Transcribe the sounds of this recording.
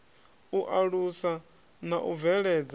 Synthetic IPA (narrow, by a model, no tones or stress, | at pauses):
uʔaɺusa | naʔuvɛɺɛd͡za